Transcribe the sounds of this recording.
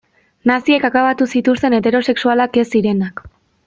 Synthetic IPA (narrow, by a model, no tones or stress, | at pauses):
nasie̞kakaβat̪usit̪ust̪e̞ne̞t̪e̞ɾo̞se̞ksualake̞siɾe̞nak